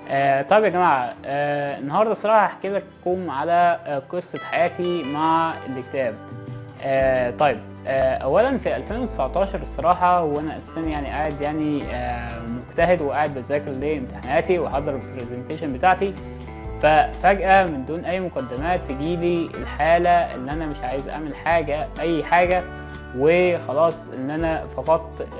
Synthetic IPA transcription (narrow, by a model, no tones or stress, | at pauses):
ʔæːt̪ˤɑjebjæɡæmaːʕaʔæenːohɑɾˤd̪ˤɑsˤɑɾˤɑːħɑʔeħkeːlæk̚ʔæ̥kuːmʕalæqɨsˤːɑħajæːt̪imaʕḛlːekt̪æːb̚ | ʔæːt̪ˤɑjːeb̚ | æʔæwːælænfiʔælfeːnwet̪esaʕt̪ˤɑːʃɑɾˤsˤːɑɾˤɑːħɑweʔænæʔæst̪ænijaʕniʔaʕed̪jaʕni | moɡt̪æhed̪weʔaʕed̪̚bezæːkeɾleːʔemt̪aħenæːt̪iweħɑd̪ˤɑɾepɾezent̪æːʃenbet̪aːʕt̪i | fæfæɡʔæmend̪uːnʔæjːmoqæd̪ːemæːt̪ːeɡiːliḛlħaːlæʔḛlːiʔænæmeʃʕaːjezʔa̰ʕmelħaːɡæʔæjːħaːɡæ | wexɑlɑːsˤʔḛnːʔænæfɑqɑt̪ˤ